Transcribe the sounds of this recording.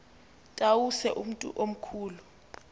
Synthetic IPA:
tʼawusɛʔum̩tʼṵʔom̩kʰuːlu

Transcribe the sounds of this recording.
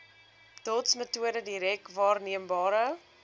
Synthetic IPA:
tɔtsmətuəɾədiɾɛkvɑːrniəmbɑːɾə

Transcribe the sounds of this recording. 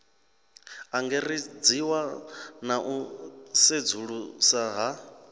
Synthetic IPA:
aŋɡɛrid͡ziwanaʔused͡zuɺusaɦa

